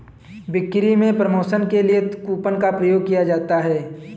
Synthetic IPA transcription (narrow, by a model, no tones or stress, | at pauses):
bɪkːɾimẽpɾəmoːsənkelijekuːpənkapɾəjoːɡ̚kijad͡ʒaːt̪aɦɛː